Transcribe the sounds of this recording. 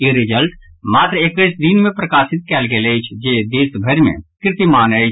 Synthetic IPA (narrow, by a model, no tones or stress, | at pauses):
iɾɪd͡ʒəlʈ | maːt̪ɾəekʋesd̪inmẽpɾəkaːsɪt̪̚kɛːlɡelet͡ʃʰd͡ʒeːd̪eːsbʱəɾmḛ̃kɾɪt̪imaːnət͡ʃ